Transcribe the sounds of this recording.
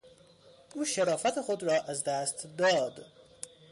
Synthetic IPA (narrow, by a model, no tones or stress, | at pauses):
ʔuːʃeɾɒːfæt̪ʰexod̪ɾɒːʔæzd̪æːst̪d̪ɒːd̪